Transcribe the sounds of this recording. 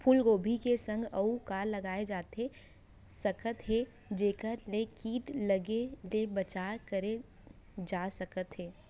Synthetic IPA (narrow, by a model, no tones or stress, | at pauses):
pʰuːlɡoːbʱikesə̃ŋɡɐukalːɐɡaːed͡ʒaːt̪e | sɐkət̪ɦe | d͡ʒeːkəɾlekiːʈlɐɡelebət͡ʃaːɾkəɾe | d͡ʒaːsəkət̪ɦeː